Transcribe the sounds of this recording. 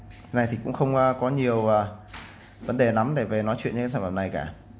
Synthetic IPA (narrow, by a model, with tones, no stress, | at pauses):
na˨˩jt̪ʰi˨˩kʊ̰˧˥ŋ͡mxə˧wŋ͡mkɔ˨˦ɲi˨˩əwəː˨˩ | və˨˦nɗe˨˩na˨˦mɗe˧˩ve˨˩nɔ˨˦jt͡ɕwḭ˧˨nɲt͡ɕːsaː˧˩faː˧˨˩na˨˩jkaː˧˩